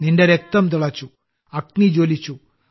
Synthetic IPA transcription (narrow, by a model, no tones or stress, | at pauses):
nindeɾek̚t̪ɐmt̪̬uɭɐt͡ɕːu | ɐknid͡ʑoːlit͡ɕːu